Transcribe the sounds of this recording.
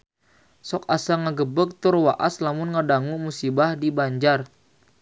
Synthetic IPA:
sɔkasaŋaɡəbək̚t̪ʊrwaʔaslamʊnŋədaŋumusibahdibaɲd͡ʒar

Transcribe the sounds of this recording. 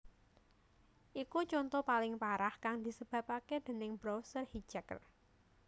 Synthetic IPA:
ʔikut͡ʃɔnt̪ɔpalɪŋpaɾahkaŋd̪̥i̤səb̥ä̤paked̪̥e̤nɪŋbɾɔsərhi̥d͡ʒɛkr

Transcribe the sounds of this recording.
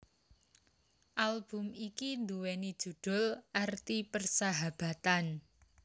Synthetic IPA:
ʔalb̥ʊ̤mikind̪uwɛnid̥ʒ̥ṳɖ̪̥ʊ̤lʔart̪ipərsaɦab̥a̤t̪an

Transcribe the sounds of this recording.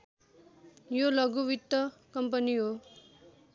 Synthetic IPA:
jolʌɡuwit̪ːʌkʌmpʌniɦo

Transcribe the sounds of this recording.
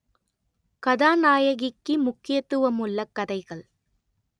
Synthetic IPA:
kɐðaːnaːjɐɣɪkːɯmʊkːɪjɐt̪ːɯʋɐmɯɭːɐkːɐðɐɪɣɐɭ

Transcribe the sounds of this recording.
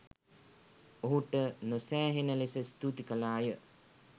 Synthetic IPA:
oɦuʈənosæːɦenəlesəst̪ut̪ikəlaːjə

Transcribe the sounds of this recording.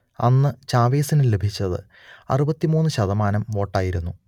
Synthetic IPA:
ɐ̰nːɨt͡ɕaːʋeːsinɨle̞bʱit͡ɕːɐðɨ̰ | ɐ̰rubɐt̪ːimuːnːɨɕɐðɐmaːnɐmʋo̞ːʈːaːjiɾunːu

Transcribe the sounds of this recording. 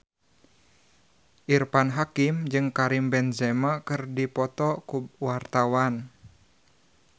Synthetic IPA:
ʔirpanɦakimd͡ʒɨŋkaɾimbɛnzɛmakɨrdipɔt̪ɔkuwart̪awan

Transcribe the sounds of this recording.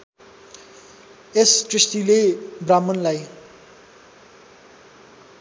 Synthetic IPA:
esʈrist̪ilebramːʌnlaj

